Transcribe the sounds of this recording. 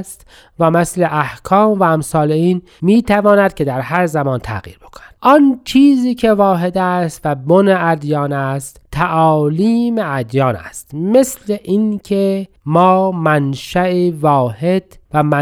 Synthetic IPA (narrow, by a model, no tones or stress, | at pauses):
st̪ | væmesleʔæhkʰɒːmvæːmsɒːleiːn | miːt̪ʰævɒːnæd̪̚kʲʰed̪æɾɦæɾzæmɒːnt̪ʰæ̰ɣḭːɾbekʰo̥næ̥d̪̥ʔɒnt͡ʃʰiːziːkʰe̞vɒːɦed̪æst̪væboneʔæd̪jɑːnæst̪t̪ʰːæʔɒːliːmeæd̪jɒːnæ̰st̪me̞sleʔinkʰe | mɒːmænʃæivɒːhe̞d̪̥væmæ